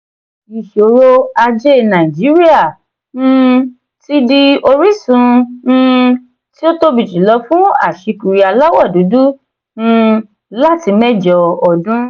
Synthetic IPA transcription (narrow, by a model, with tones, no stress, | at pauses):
i˨ʃo˨˧ɾo˧a˧d͡ʒe˦nã˨d͡ʒi˨˦ɾi˦a˦˨ | ñ̩˦ | ti˦di˧o˧ɾi˦sũ˨˧˦ | ti˦o˦to˦bi˨d͡ʒi˨˦lɔ˨˧˦fũ˦a̰˦˨ʃi˧ku˨ɾi˨a˧la˦wa˦˨du˨˦du˦ | n̩˦˧ | la˦ti˧˦mɛ˦d͡ʒɔ˧ɔ˨dũ˦